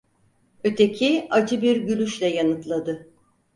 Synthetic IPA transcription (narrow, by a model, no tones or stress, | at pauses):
ø̞t̪ʰecʰiad͡ʒʰɯbiɾɟylʲyʃlʲɛjanɯt̪lˠad̪ɯ